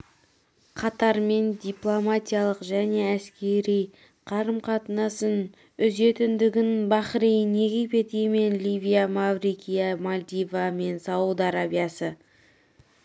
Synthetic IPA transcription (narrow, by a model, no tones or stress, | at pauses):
qʰɑt̪ɑɾme̞nd̪ijplˠo̞mat̪ʲijalˠəqʒæne̞æskʲe̞ɾij | qʰɑɾəmqʰɑt̪ənɑsən | ʏze̞t̪ɪnd̪ɪɡʲɪnbɑχɾijne̞ɡʲijpe̞t̪ijme̞nlʲivijamavrikʲijamolʲd̪ivame̞nsɑwud̪ɑɾabijasə